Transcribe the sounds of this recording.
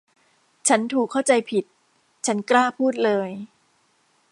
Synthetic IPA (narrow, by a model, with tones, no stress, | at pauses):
t͡ɕʰa˦˥nt̪ʰuː˨˩kʰːa˥˩wt͡ɕa˧jpʰi˨˩t̪̚ | t͡ɕʰa˦˥nklaː˥˩pʰuː˥˩t̪̚lɤː˧j